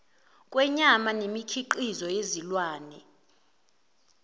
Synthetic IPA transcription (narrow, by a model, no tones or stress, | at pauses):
kʼwɛɲamanemikʰiǃizɔjezilwaːnɛ